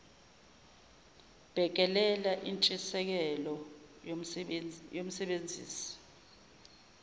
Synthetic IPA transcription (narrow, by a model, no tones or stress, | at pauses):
b̥ʱɛk̬ɛlɛlaʔint͡ʃʼisɛk̬ɛlɔ | jom̩sɛɓend͡zʱḭːsi̥